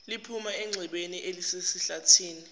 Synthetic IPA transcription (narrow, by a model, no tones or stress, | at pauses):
lipʰumaɛŋ͡ǀʱiɓeniʔelisesiɬatʰiːni